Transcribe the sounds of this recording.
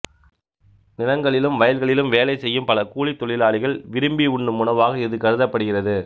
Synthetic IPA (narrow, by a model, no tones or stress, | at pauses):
nɪlɐŋɡɐɭɪlɯmʋɐjɐlɣɐɭɪlɯmʋeːlɐɪsɛjːɯmpɐlɐkuːɭit̪ːɔɭɪlaːɭɪɣɐɭʋɪɾɯmbiʊɳɖɯmʊɳɐʋaːɣɐɪðɯkɐɾɯðɐpːɐɽɯɣɪrɐðɯ